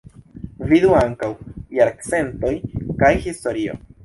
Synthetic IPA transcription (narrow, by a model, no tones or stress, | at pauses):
viduaŋkawjaɾkt͡se̞nto̞jkajhisto̞ɾio̞̰